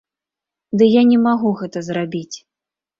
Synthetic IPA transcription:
d̪ɨjanʲɛmaɣuɣɛt̪ɐzrabʲit͡sʲ

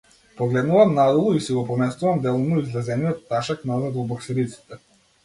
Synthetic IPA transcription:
pɔɡlɛd̪nuvamnad̪ɔlˠɔisiɡɔpɔmɛst̪uvamd̪ɛlˠɔnɔizlʲɛzɛnijɔt̪ːaʃaknaɔzɛd̪ɔbɔksɾit̪si̥t̪ɛ

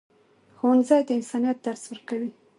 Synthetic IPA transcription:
xownzɑjd̪əɪnsɑnijat̪̚d̪aɾswəɾkawi

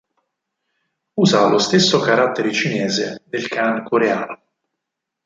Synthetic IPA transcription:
uːzalʔost̪esːokaɾat̪ːeɾet͡ʃinɛːzḛd̪elkaŋkʰoɾeaːno

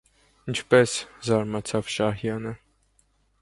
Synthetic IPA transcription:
ənt͡ʃʰpɛszɑɾmɑt͡sʰɑvʃɑhjɑnə

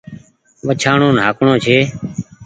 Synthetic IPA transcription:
ʋət͡ʃʰaːɳõːnɦaːkɳõːt͡ʃʰeː

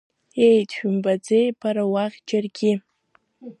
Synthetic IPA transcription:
ejtʰʃᶣʏmbad͡zejbʰaɾawaʁʲd͡ʒarɡʲɪ

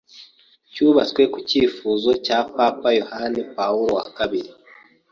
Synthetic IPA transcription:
cuːβat͡swe̞kuciːfuːzo̞capaːpajo̞hanepauɾowa̰kaβiɾi

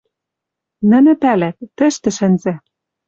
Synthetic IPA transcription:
nɘ̆nɘ̆pælæt̪̚ːɘ̆ʃt̪ɘ̆ʃɘ̆nzæ̆

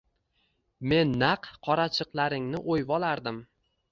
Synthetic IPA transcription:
me̞nːaqːʰɒɾat͡ʃʰɨqlˠaɾɪŋnɪʔojvɒlaɾd̪ɪm

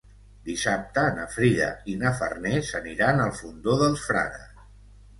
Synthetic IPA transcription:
d̪isap̚t̪əːnəfɾiðə̰inəfə̰rnesəniɾanəlˠfund̪oðəlˠsfɾa̰ðə̰

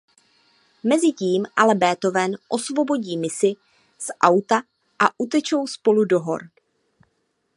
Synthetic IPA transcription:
mɛzɪciːmʔalɛbɛːt̪o̞vɛːnʔo̞svo̞bo̞ɟiːmɪsɪ | sʔawt̪a | ʔaʔut̪ɛt͡ʃowspo̞ludo̞ɦo̞̰ɾ

